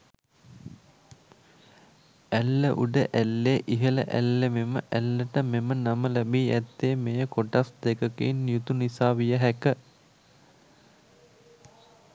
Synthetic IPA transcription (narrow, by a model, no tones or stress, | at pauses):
ælːəʔuɖəʔælːeʔiɦələ̰ʔæ̰lːememəʔælːəʈəmemənaməlæbiːæt̪ːeːmejəkoʈasd̪ekəkinjut̪unisaːʋijəɦækə